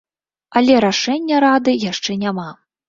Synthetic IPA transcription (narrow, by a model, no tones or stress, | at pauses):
ɐlʲɛɾaʂɛnʲːɐɾad̪ɨjaʂt͡ʂɛnʲama